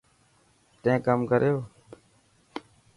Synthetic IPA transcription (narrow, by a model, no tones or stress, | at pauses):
t̪ẽːkəmkəɾjoː